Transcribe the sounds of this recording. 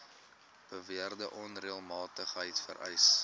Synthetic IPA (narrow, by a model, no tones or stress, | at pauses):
b̥əviərdəʔɔnriəlˠmɑːtəχɦəjtfə̰ɾʔɛ̰js